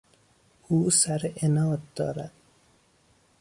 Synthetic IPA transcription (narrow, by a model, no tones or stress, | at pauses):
uːsæɾenɒːd̪̚d̪ɒ̰ːɾæd̪̥